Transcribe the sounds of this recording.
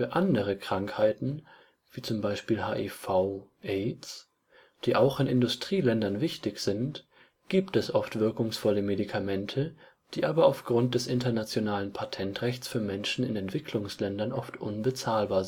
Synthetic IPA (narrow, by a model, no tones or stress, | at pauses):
fyːɐʔandəʁ̞əkʁ̥aŋkhaɪtn̩ | v̥iːt͡sʊmbaɪʃpiːlɦa̰ːʔifaʊʔɛɪs | d̥iːʔaʊxɪnɪndʊstʁ̥iːlɛndɐnvɪçtɪçz̥ɪnt | ɡ̥iːptɛsʔɔftv̥ɪɐkʊŋsfɔləmedikʰamɛntʰə | d̥iːʔaːbɐaʊfɡ̥ʁʊnt̚d̥ɛsʔɪntɐnat͡sjonaːlənpʰatʰɛntʁɛçt͡sfyːɐmɛnʃn̩ɪ̰nɛntv̥ɪkʰlʊŋslɛndɐnʔɔftʔʊnbət͡saːlbaːɐz